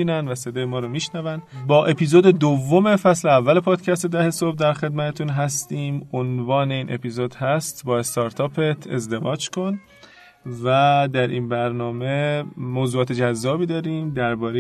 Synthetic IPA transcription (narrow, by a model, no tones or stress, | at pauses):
iːnænvæse̞d̪ɒːjemɒːɾɔmiːʃnævænbɒːʔe̞piːzoːd̪ed̪ovːo̞me̞fæsleævːæle̞pʰɒːd̪̥cʰæst̪e̞d̪æhe̞sob̚d̪æɾxe̞d̪mæt̪ʰet̪ʰunɦæst̪iːmonvɒːneiːnʔe̞piːzod̪hæst̪bɒːe̞st̪ɒːɾt̪ʰɒːpʰet̪ʰe̞̰zd̪e̞vɒːd͡ʒkʰo̞n | væd̪æɾʔiːnbæɾnɒːme̞moːzuːɒːt̪ʰe̞d͡ʒæzːɒːbiːd̪ɒːɾiːmd̪æɾbɒːɾe